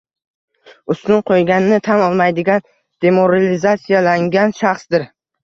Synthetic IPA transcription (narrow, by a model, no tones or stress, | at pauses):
ʊst̪ʊnqʰojɡʲanɪnɪt̪ʰamɒlˠmajd̪ɪɡʲan | d̪̥e̞mo̞ɾalizat̪sijalaŋɡʲanʃaχsd̪ɪɾ